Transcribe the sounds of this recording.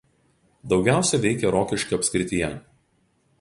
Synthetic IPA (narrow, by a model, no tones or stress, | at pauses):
d̪ɒʊɡʲæˑʊsʲɛʋʲɛɪkʲɛɾoːkʲɪʃʲkʲiɐpʲsʲkʲɾʲɪt̪ʲɪjɛ